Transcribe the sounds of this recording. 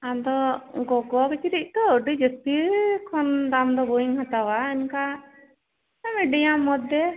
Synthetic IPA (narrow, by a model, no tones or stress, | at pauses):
ad̪ɔɡɔɡɔkɛt͡ʃʰiɾic̚ˀt̪ɔəɖid͡ʒəst̪ikʰɔnd̪amd̪ɔbɔiŋhat̪awaɛnka | amɛɖijamɔd̪ːɛ